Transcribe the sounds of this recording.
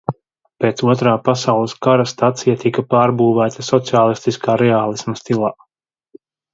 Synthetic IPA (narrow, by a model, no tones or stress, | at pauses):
peːt̪suɔt̪ɾaːpasawlˠəskaɾast̪at̪sijat̪ikapaːɾbuːvæːt̪asɔt̪siaːlˠist̪iskaːɾɛaːlˠismɐst̪ilˠaː